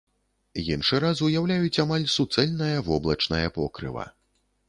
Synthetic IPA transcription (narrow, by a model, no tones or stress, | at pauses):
jinʂɨɾazujawlʲajut͡sʲamalʲsut̪sɛlʲnɐjɐvɔblˠɐt͡ʂnɐjɐpɔ̰kɾɨ̰vɐ̰